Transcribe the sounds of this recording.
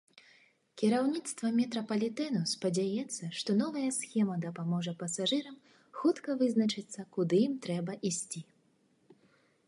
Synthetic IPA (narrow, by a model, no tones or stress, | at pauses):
kʲiɾawnʲit̪st̪vɐmʲɛt̪ɾɐpɐlʲit̪ɛnuspɐd͡zʲajɛt̪sːɐʂt̪ɔnɔvɐjɐsxʲɛmɐd̪ɐpamɔʐɐpɐsaʐɨɾɐm | xut̪kɐvɨznɐt͡ʂɨt̪sːɐkud̪ɨjimt̪ɾɛbɐʔisʲt͡sʲi